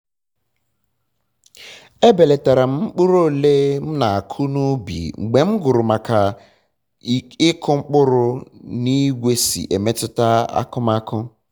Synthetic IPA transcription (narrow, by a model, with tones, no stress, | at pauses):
e˦be˨le˨ta˨ɾa˨m̩˦k͡pʊ˦ɾo˦˨leː˦m̩˦na˨a˨kʰʊ˦nu˦bḭ˨ŋ͡m̩˨ɡ͡be˨ŋ͡m̩˦ɡʊ˨ɾʊ˨ma˨ka˨ | ɪ˦kʰʊ˦ŋ͡m̩˦k͡pʊ˦ɾʊ˦ni˦ɡʷe˦sḭ˨ʔe˨me˦tʊ˦ta˦a̰˦kʊ˦ma˦kʰʊ˦